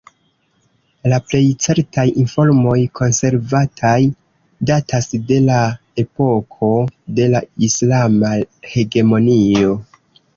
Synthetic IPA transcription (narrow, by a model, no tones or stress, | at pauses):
laple̞jt͡se̞ɾtajinfo̞ɾmo̞jkʰo̞nse̞ɾvatʰaj | datʰasde̞la | e̞po̞kʰo̞de̞laislamahe̞ɡe̞mo̞nio̞